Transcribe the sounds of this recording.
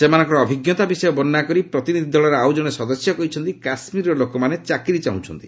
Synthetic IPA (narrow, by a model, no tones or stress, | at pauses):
semanɔŋkɔɾɔːbʱiɡjɔt̪abisɔjɔbɔnːakɔɾipɾɔt̪inid̪ʱid̪ɔlɔɾeawd͡ʒɔɽ̃esɔd̪ɔsjɔkɔɦit͡ʃʰɔnt̪ikasmiɾɔlokɔmanet͡ʃakɾit͡ʃaũt͡ʃʰɔnt̪i̥